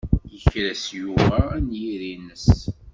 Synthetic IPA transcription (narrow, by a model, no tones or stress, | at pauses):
jəçɾæsjuvænjiɾinəs